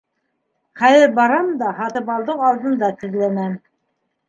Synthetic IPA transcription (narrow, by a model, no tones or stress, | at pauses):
χæjɘɾbɑɾɑmd̪ɑhɑt̪ɤ̆pɑlˠd̪ɤwɑlˠd̪ɤ̆nd̪ɑt̪ɘ̆ðlænæm